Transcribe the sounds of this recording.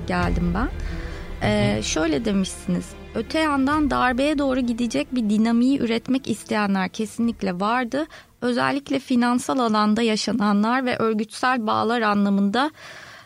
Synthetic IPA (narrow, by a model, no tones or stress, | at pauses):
ɟælʲd̪imbæn | ɛːʃø̞jlʲɛd̪e̞miʃsiniz̥ | ø̞t̪ʰɛjand̪and̪aɾbejɛd̪o̞ːɾuɟid̪id͡ʒɛc̚bid̪inamijiʔyɾɛt̪mɛcist̪ʰejænlʲæɾcʰe̞sinlʲiclʲɛvaɾd̪ɯ | ø̞zæ̰lʲːiclʲɛfinansalˠalˠand̪ajaʃananlˠaɾvɛʔø̞ɾɟyt̪sælʲba̰ːlˠaɾanlˠamɯnd̪a